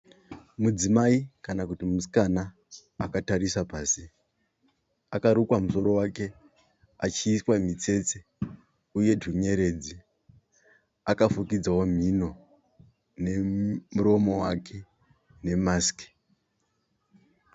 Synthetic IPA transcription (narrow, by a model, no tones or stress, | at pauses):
mud͡zimaikanakutimuskana | akataɾisapaːsi | akaɾukwamuso̞ɾo̞wake̞ | at͡ʃiːswamit͡se̞t͡se | uje̞dʱuɲe̞ɾe̞d͡zi | akafukid͡zawom̤ino̞ | ne̞muɾo̞mo̞wakʰe̞ | ne̞maːske̥